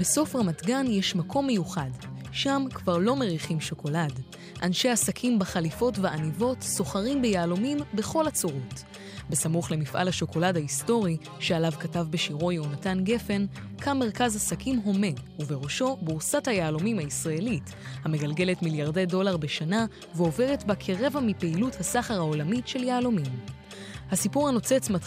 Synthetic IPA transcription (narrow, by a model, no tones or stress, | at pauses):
beso̞fʁamatɡanjeʃmakʰo̞mːe̞juχadʃamkvaʁlo̞me̞ʁiχimʃo̞ko̞lad | ʔanʃeasakʰimbeχalifo̞tveanivo̞tso̞χaʁimbejaːlomimbe̞χo̞lat͡soʁot | besamuχle̞mifʔa̰lhaʃo̞ko̞ladhaisto̞ʁi | ʃealavkatavbeʃiʁo̞junatanɡe̞fe̞n | kʰamːe̞ʁ̞kazasakimɦo̞me̞uve̞ʁo̞ʃo̞buʁsathajaːlo̞mimhaisʁae̞lit | hame̞ɡalɡe̞le̞tmiljaʁde̞jdo̞laʁbeʃana | veo̞ve̞ʁe̞tbakʰeʁe̞vamipeiluthasaχaʁhao̞lamiʃe̞ljaːlomim | hasipuʁhano̞t͡se̞t͡smat